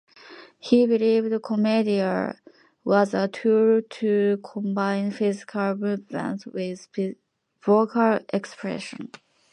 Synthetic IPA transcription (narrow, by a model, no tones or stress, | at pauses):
hibilivdəkʰəmediə | wʌzətʰuɹtʰukʰɔ̃mbãɪ̃nfɪzɪ̥kʰəlˠɹupə̰̃nswɪð | vokʰəlʔɛkspʰɹɛ̰ʃə̰̃n